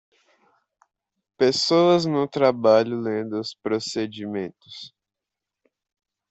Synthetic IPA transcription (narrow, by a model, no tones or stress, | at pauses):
pesoɐznʊt̪ɾabaʎʊlẽd̪ʊʊspɾosed͡ʒimẽt̪ʊ̥s